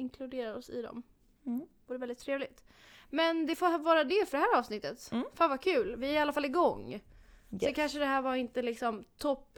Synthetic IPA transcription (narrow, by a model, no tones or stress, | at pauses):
ɪŋkʰlɵd̪eːɾaɾɔsɪ̰d̪ɔ̰m | vuːɾəvɛlɪt̪ʰːɾeːvlɪt̪ | mɛnd̪ɛfovɑːɾad̪ɛfœɖɛɦæːɾɑːvsnɪt̪ːət̪faːnvakʰʉ̟ːlvɪæɾɪalːafalːɪɡɔŋː | ɛkʰanʂəd̪ɛɦæːɾvaɾɪnt̪əlɪksɔmt̪ʰɔpː